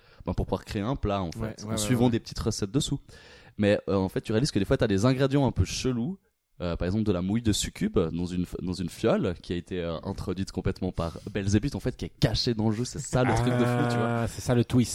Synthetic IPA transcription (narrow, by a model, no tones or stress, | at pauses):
bɛ̃puʁpuvwaʁkχeeɛ̃plaɑ̃ffɛ̰t̪ɑ̰̃sɥivɑ̃d̪epə̥t̪ʰi̥t̪ʁəsɛt̪̚d̪əsumɛøɑ̃fɛt̪̚t̪ːyʁealiz̥kəd̪efwat̪yad̪ezɛ̃ɡʁed̪jɑ̃ɛ̃pøʃəlu | øpaʁɛɡzɑ̃pləd̪əlamujd̪əsykʲybd̪ɑ̃zynfd̪ɑ̃zynfjɔlkʲiaet̪ʰeøʔɛ̰̃t̪χɔd̪ɥit̪kɔ̃plɛt̪mɑ̃paʁbɛlzebyt̪ɑ̃fɛt̪̚kʲiɛkaʃed̪ɑ̃ləʒøsɛsalət̪χik̚d̪əfut̪yvwasɛsalət̪wist̪